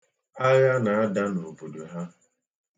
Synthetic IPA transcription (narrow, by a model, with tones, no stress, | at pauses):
a˦ja˦na˨a˦da˦nʊ˨o˨po˨do˨ɦa˦